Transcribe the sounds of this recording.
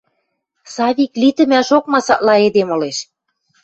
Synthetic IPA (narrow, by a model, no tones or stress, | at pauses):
sɑβʲiklit̪ə̆mæʃok̚mɑsɑʔlɑed̪emŏleʃ